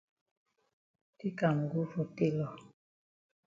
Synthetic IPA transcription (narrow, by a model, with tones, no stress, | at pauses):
ti˦ka˨m˨ɡu˦fɔ˨te˦lɔ˨